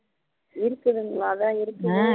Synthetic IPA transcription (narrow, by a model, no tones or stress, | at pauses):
ɪɾɯkːɐðɯŋɡɐɭaːðaːɪɾɯkːɯɯ